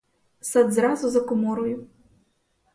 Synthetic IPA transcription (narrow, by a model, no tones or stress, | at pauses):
sad̪zɾazuzɐkɔmɔɾɔjʊ